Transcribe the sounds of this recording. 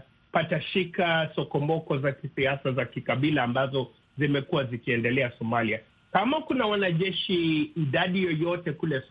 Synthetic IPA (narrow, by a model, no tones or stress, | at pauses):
pataʃikasɔkɔmɔkɔzakisiasazakikaɓilaːmbazɔ | zimɛkuwazikiɛndɛlɛasɔmalia | kamakunawanaʄɛʃiːɗaɗijɔjɔtɛkulɛ